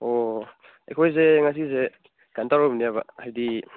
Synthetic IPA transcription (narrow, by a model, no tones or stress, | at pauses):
o | ḛkʰɔjzeŋas̬ize | ɡ̥antawɾɔbnijabahajdi